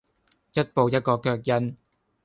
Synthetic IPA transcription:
jɐ˥t̚po˨wjɐ˥t̚kɔː˧kœː˧k̚jɐ˧n

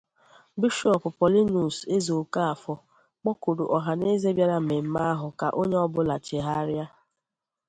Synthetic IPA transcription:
bi˦ʃɔ˨pʊ˨pɔ˨li˦nu˨se˦zo˨ka˦a˨fɔ˨ | k͡pɔ˦ko˨ɾṵ˨ʔɔ˨ɦa˨ne˦ze˦bja˦ɾa˦m̩˨me˨m̩˦ma˦a˦ɦʊ˨ka˨ʔo˦ɲe˦ɔ˦bʊ˦la˨t͡ʃe˨ɦa˦ɾja˦

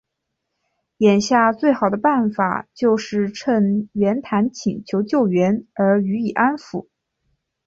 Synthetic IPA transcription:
jɛ˨˩nɕja˥˧t͡swe˥˩ɪxɑ˨˩ʊd̪ə˦pa˥˩nfa̰˨˩t͡ɕjo˥˧ʊʂɻ̩˥˧ʈ͡ʂʰə˥˩nɥɛ˧˥nt̪ʰa˧˥nt͡ɕʰi˨˩ŋt͡ɕʰjo˧˥ʊt͡ɕjo˥˩ʊɥɛ˧˥nə˞˧˥y˧˥i˨˩ʔa˥nfu˧˩˦

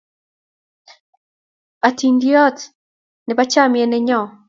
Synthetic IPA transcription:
a˨ti˨ndi˦ɔ˦t | ne˨βa˦t͡ʃa˦˨mjɛ˨nɛ˦ɲɔ˦˨

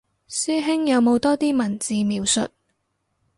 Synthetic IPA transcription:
syː˥ɦɪ˥ŋjɐ˨˧wmo˨˧wt̪ɔː˥t̪iː˥mɐ˨˩nt͡siː˨˧miː˨˧wsɵ̰˨t̚

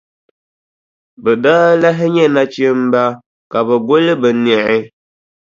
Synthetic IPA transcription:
bɛ˨daː˦la˦ɦɪ˦ɲɛ˦na˦t͡ʃe˦m̩˦ba˦ | ka˨bɛ˨ɡo˦lɨ˦bɨ˨nɛ˨ɪ˦

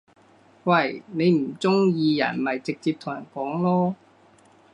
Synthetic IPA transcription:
wɐ˨˧˩jne˨˧jm̩˨˩t͡sʊ˥ŋjiː˧jɐ̰˨˩nmɐ˨˩jt͡sɪ˨k̚t͡siː˧p̚t̪ʰʊ˨˩ŋjɐ̰˨˩nkɔː˨˥ŋlɔː˥

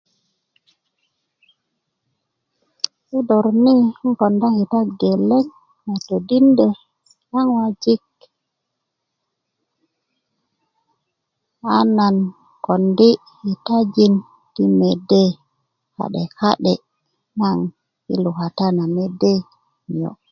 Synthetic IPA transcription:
su˦do˨ɾni˦ŋko˨nda˦hi˨ta˦ɡe˨lːe˦n | na˨to˨di˦nde˨ | na˦ŋwa˦d͡ʒi˦k | a˦na˨n | ko˨ndi˦ | hi˨ta˦d͡ʒi˦n | ti˦me˨de˦ | ha̰˨ɗe˨ka˦ɗe˨ | na˦ŋ | ḭ˦lu˨ka˨ta˦na˨me˨de˦˨ | jo̰˨

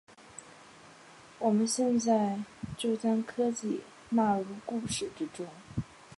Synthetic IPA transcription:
wɔ˨˩mə˦nɕjɛ˥˧nt͡sa˥˧ɪt͡ɕjo˥˩ʊta˥˩nkʰɤ˥t͡ɕi˥˩ | na˥˧lu˥˧ku˥˧ʂɻ̩˥˩ʈ͡ʂɻ̩˥ʈ͡ʂʊ˥ŋ

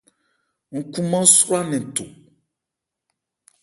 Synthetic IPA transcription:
ŋ̩˨kũ˦mã˦sɾa˦nɪ̃˨tʊ˨

